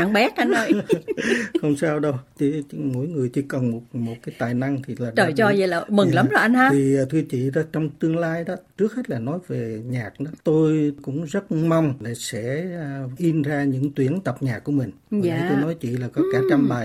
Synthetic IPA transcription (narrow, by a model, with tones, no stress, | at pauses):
a˧˩ŋɓɛ˨˦˥t̚ʔa˧no˧˦ | xə˧wŋ͡msaː˧wɗə˧wt͡ɕe˨˦˧mo̰˧˥jŋɨ˨˩əjt͡ɕi˧˦kə˨˩nmo˨˩t̚mo˨˩t̚kaː˨˦jt̪aː˨˩jna˧ŋt̪ʰi˨˩laː˨˩t͡ɕəː˧˩jt͡ɕɔ˧zə˨˩la˨˩mɨ˨˩ŋla˨˦mzo˨˩ʔa˧naː˧iː˨˩˨t̪ʰɨ˧ət͡ɕḭ˧˨ɗɔ˨˦t͡ɕɔ˧wŋ͡mt̪ɨ˧əŋlaː˧jɗɔ˨˦t͡ɕɨ˦˥ək̚ha˦˥t̚laː˨˩nɔ˨˦jve˨˩ɲaː˨˩k̚ɗɔ˨˦t̪o˧jkʊ̰˧˥ŋ͡mzə˦˥t̚ma˧wŋ͡mla˨˩sɛ̰˧˥˨ʔi˧nzaː˧ɲɨ̰˧˥ŋt̪wi˨˦ənt̪ə˨˩p̚ɲaː˨˩k̚ːu˧˩əmï˨˩ŋ̟˨˧i˧t̪o˧jnɔ˨˦jt͡ɕḭ˧˨laː˨˩kɔ˨˦kaː˧˩t͡ɕa˧mɓa˨˩j